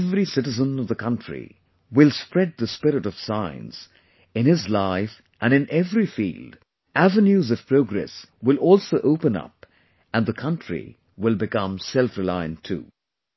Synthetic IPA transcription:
vɾisɪɾɨzə̃nʌvðəkʰʌ̃ntɹ̥ḭ | wɪlˠspɹɛd̪̚ðəspɪɾɨɾʌv̥sãɪ̃nz̥ | ɨ̃nɪzlaɪf | ʔɨ̃nɨ̃nʔɛvɹifḭːld | ʔævɨ̃njuzʌv̥pʰɹ̥oʊɡɹɛ̰swɪlˠɔlˠsoʊʔoʊpə̃nʌ̰p | ɨ̃nðəkʰʌ̃ntɹ̥ḭ | wɪlˠbɨkʌ̃msɛlˠfɹɨlaɪɨ̰̃ntʰṵ

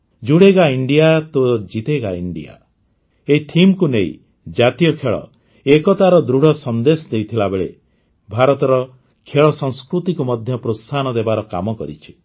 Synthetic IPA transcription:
d͡ʒuɽeɡaiɳɖijat̪od͡ʒit̪eɡaiɳɖḭja̰ | eit̪ʰimkuneḭ | d͡ʒat̪ijɔkʰeɭɔ̰ | ekɔt̪aɾɔd̪ɾuɽ̤ʱɔsɔnd̪esɔd̪ejt̪ʰilabeɭḛ | bʱaɾɔt̪ɔɾɔ | kʰeɭɔsɔŋskɾut̪ikumɔd̪ʱjɔpɾost̪ʰanɔd̪ebaɾɔka̰mɔkɔ̰ɾit͡ʃʰi̥

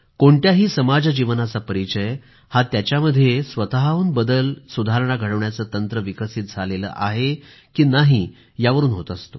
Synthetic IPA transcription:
koɳʈ̪jaɦiːsəmad͡zad͡ʑiʋənat͡sapəɾit͡ɕəj | hat̪jat͡ɕjaməd̪ʱːjesʋət̪aɦauːnbəd̪əlsud̪ʱaɾəɳ̃aɡʱəɽəʋɳjat͡səːt̪ənt̪ɾəʋikəsiːt̪̚d͡zʱalelə̰ːʔaɦe | kiːnaɦiː | jaʋəɾuːnɦot̪ast̪o

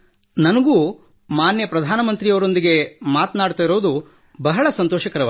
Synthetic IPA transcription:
nɐnɐɡuː | maːnjɐpɾɐd̪ʱaːnɐmɐnt̪ɾijɐʋɐɾo̞nd̪iɡe̞maːt̪naːɖt̪aːjiɾoːd̪u | bɐɦɐɭɐsɐnt̪ɔːʃɐkɐɾɐʋa̰

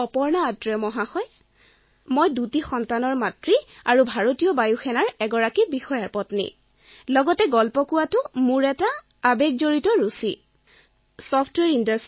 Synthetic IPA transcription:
ɔpɔɹnaːtɹɛmɔɦaxɔj | mojdutixɔntanɔɹmatɹiaɹubʱaɹotijɔbajuxʰɛnaɹɛɡɔɹakibixɔjaɹpɔtnḭ | lɔɡɔtɛɡɔlpɔkʊwatʊmuɹɛtaː | bek̚zoɹitɔɹusi | sɔpʰtwɛɹindas

